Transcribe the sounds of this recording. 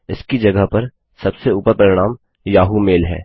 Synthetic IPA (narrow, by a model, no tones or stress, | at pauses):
ɪskid͡ʒɐɡəɦpɐɾ | sɐbseuːpəɾpɾɐɾɪɽ̃aːm | jaːɦumeːlɦɛ̰ː